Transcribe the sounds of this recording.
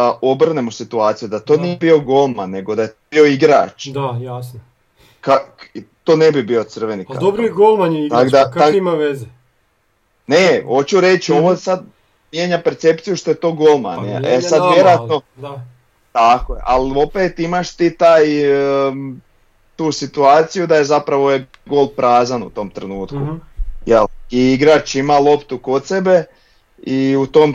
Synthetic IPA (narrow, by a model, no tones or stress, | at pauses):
aʔobr̩nemosit̪uaːt̪sijud̪at̪o̞ːniebio̞ɡo̞lˠmannːe̞ɡod̪ajet̪obio̞iɡɾa̰ːt͡ʃd̪ajasno | kat̪o̞ːnebibio̞t̪sr̩ʋenika̰d̪obɾiɡolˠmant̪akd̪aakimaʋeze | neho̞t͡ɕuɾe̞t͡ʃoʋosad̪̚ | mje̞ːɲapeɾt̪se̞pt̪sijuʃt̪o̞jet̪o̞ːɡolˠma̰nḛesad̪ʋjeɾoat̪no | t̪akojḛʔalo̞pet̪imaʃt̪it̪aːj | t̪uːsit̪uaːt̪sijud̪ajezapɾaʋo̞e | ɡo̞ːlpɾaːzanṵt̪o̞mt̪ɾenuːt̪kujḛliiɡɾat͡ʃimalˠo̞pt̪uko̞t̪sebe̞ | iut̪om